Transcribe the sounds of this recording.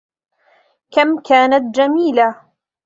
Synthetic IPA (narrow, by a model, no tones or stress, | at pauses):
kamkaːnat̪̚d͡ʒamiːla